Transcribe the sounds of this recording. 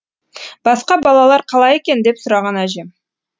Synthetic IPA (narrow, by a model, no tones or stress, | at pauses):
b̥ɑsqɑbɑlˠɑlˠɑɾqʰɑlˠɑje̞kʲe̞nd̪e̞psʊɾɑʁɑnæʒe